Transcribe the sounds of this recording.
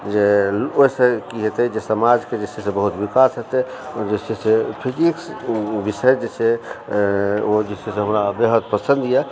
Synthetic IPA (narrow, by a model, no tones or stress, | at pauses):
d͡ʒeoɦisekiɦet̪ɛd͡ʒesəmad͡ʒked͡ʒet͡ʃʰesẽbəɦut̪ʋikasɦet̪ɛod͡ʒet͡ʃʰesepʰikiksbiʃəjd͡ʒet͡ʃʰe | od͡ʒesʰeseɦəmɾabeɦəd̪̚pəsə̃nd̪ʱjɛ